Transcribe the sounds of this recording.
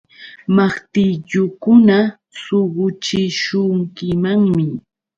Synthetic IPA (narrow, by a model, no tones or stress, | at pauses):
mɑχt̪ɪʎʊkʊna | soɢʊt͡ʃɪʃʊŋkɪmaŋmɪ